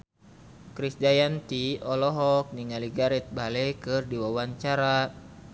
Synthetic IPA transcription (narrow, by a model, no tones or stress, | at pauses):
kɾisdajant̪iɔlɔɦɔk̚niŋaliɡaɾɛt̪̚balɛkɨrdiwawaɲt͡ʃaɾa